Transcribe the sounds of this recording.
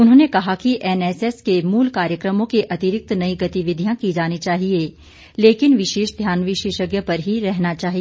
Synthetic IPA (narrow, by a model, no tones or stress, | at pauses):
ʊnɦõːnekɐɦakiʔɛnɛsɛskemuːlkaːɾjəkɾəmõkeʔɐt̪ɪɾɪk̚t̪nɐiɡɐt̪iʋɪd̪ʱijãkid͡ʒaːnit͡ʃaːɦie | leːkɪnʋɪʃeːʃd̪ʱjaːnʋɪʃeːʃəɡjəpɐɾɦiɾɛɦnat͡ʃaːɦi